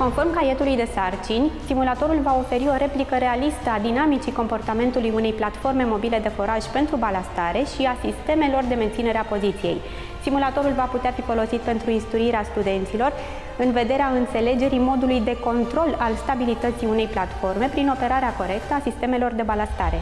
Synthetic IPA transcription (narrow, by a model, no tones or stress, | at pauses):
ko̞nfo̞rmkaje̞t̪ulujd̪e̞sart͡ʃinʲsimulat̪o̞ɾulvao̞fe̞ɾio̞ɾe̞plikəɾe̞alist̪əad̪inamit͡ʃiko̞mpo̞rt̪ame̞nt̪ulujune̞jplat̪fo̞rme̞mo̞bile̞d̪e̞fo̞ɾaʃʲpe̞nt̪ɾubalast̪aɾe̞ʃiasist̪e̞me̞lo̞rd̪e̞ment̪sine̞ɾeapo̞zit̪sije̞̰j | simulat̪o̞ɾulvaput̪eafifo̞lo̞sit̪̚pe̞nt̪ɾuinst̪ɾuiɾeast̪ud̪e̞nt̪silo̞r | ɨnve̞d̪e̞ɾeaɨnt̪se̞le̞d͡ʒe̞ɾimo̞d̪ulujd̪e̞ko̞nt̪ɾo̞lalst̪abilit̪ət̪siune̞jplat̪fo̞rme̞pɾino̞pe̞ɾaɾeako̞ɾe̞kt̪əasist̪e̞me̞lo̞rd̪e̞balast̪aɾe̞̰